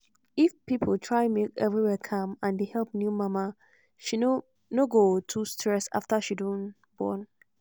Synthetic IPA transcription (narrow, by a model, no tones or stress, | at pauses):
ifpipʰoltʰɹaɪmekɛvɹiwɛkʰãmãndehɛlp̚njumãma | ʃi | noɡotʰustʰɹɛsa̰ftaʃidõn | bɔ̰n